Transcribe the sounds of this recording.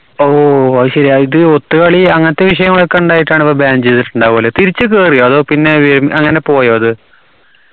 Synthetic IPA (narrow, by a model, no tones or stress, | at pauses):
oːɕɐɾiaiðɨot̪ːɨkɐɭiɐŋːɐnɐt̪ːe̞ʋiʂ̬ɐjɐŋːɐɭokːɐuɳɖaːjiʈːaːɳipːobaːnd͡ʑetiʈːuɳɖaːoːlet̪iɾit͡ɕːɨk̬eːrijoɐðoːpinːe̞ʋeɾmʔɐŋːɐne̞po̞ːjoːɐðɨ